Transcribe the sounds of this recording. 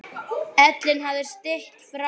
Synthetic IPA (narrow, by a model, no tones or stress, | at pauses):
ɛt̪lɪnɦavðɪst̪ɪht̪fɾa